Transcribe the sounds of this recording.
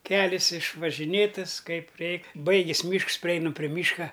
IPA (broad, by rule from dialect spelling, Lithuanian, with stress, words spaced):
ˈkʲæːlʲɪs ɪʃʋɐʒʲɪˈnʲeːtɐs ˈkɐɪp ˈrʲɛɪk ˈbɐɪɡʲeːs ˈmʲiːʃks pʲrʲɪˈɛɪnɐm pʲrʲɪ ˈmʲiːʃkɐ